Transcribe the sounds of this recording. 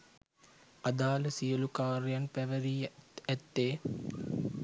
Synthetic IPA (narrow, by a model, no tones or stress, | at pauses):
ad̪aːləsijəlukaːɾjanpæʋəɾiːæt̪ːeː